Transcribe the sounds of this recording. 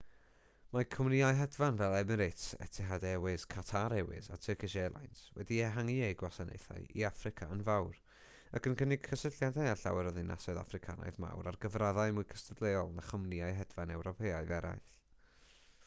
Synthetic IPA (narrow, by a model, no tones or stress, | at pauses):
makʰɔmniaɨɦɛdvanvɛlˠɛmɛɾejtʰɛ̰tʰɪɦadɛwɪskʰatʰaɾɛwɪ̰za̰tʰəkɪʃeːlˠa̰jnswɛdiɛɦaŋiejɡwasanḛjθa̰jḭafrɪkʰaənvawr | akʰənkʰənɪɡ̥kʰəsɪɬjadajaɬa̰wɛɾɔðɪna̰sɔɨða̰frɪkʰa̰na̰jðma̰wɾarɡəvraðaɨmʊjkʰəstʰədlˠeɔlˠnaχɔmniaɨɦɛdvanɛwɾɔpʰeːaɨvɛɾa̰jɬ